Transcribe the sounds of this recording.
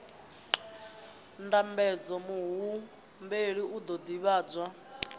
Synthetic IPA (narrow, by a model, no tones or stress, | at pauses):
ndambɛd͡zɔmuɦu | mbeɺiud̪ɔd̪iβaːd͡zwa